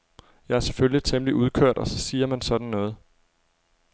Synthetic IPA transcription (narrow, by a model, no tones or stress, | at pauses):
jɑ̈ɪæɐse̥føljit͡sʰemliʔuðˠkʰøɐ̰d̥ɒ̽sɒ̽siːɐmænsɒ̽d̥n̩nɔ̽ːð̞̩ˠ